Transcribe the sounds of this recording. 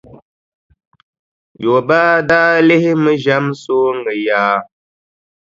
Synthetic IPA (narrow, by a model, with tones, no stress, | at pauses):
jo˨baː˦daː˦le˦hi˦mə˦ʒa˦mso˦ŋə˨jaː˦